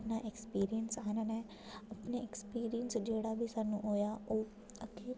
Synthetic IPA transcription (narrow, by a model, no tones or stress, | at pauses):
naːʔekspiːɾijənsananɛ̃ː | əpneekspiːɾijənsd͡ʒeːɽaːbʱiːsaːnːṵ̃ːɦoːjaːoː | əkʰeː